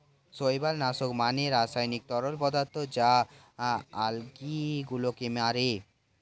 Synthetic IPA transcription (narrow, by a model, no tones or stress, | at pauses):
sojbalnasokmaneɾasajnik̚t̪ɔɾolpɔd̪aɾt̪ʰːod͡ʑa | alɡiɡulokemaɾe